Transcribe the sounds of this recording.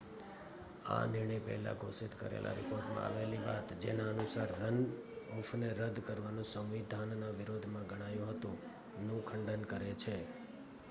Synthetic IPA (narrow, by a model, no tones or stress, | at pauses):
a̰nɪɾɳ̃əjpɛ̰ɦla̰ɡʱosit̪kə̰ɾḛlʔa̰ɾɪpoɾʈmã̰a̰ʋeliʋat̪d͡ʒenaənusaɾːənɔfneɾəd̪ʱkəɾʋanũsə̃ʋʋid̪ʱanːaʋɪɾod̪ʱmãɡʱəɽ̃ajũɦət̪ũ | nũkʰəɳɖənkəɾet͡ʃʰe